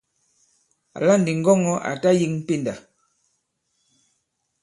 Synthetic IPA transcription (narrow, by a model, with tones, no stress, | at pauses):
a̰˨la˦˨n̩˨di˨ŋ˦ɡɔ˦˨ŋɔ˦ʔa̰˨ta˦ji˦ŋm̩˦pi˦nda˨